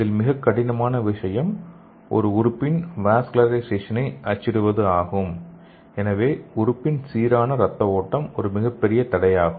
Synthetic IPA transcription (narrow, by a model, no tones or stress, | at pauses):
ɐðɪlmɪɣɐkːɐɽɪnɐmaːnɐʋɪʂɐjɐm | ʔɔ̰ɾɯʊɾɯpːɪnʋaːskɪlɐɾɐɪseːʂɐnɐɪʔɐt͡ʃːɪɾɯʋɐðɯaːɣɯm | ɛnɐʋeːʊɾɯpːɪnsiːɾaːnɐɾɐt̪ːɐoːʈːɐmɔɾɯmɪɣɐpːɛɾɪjɐt̪ɐɽɐjaːɣɯm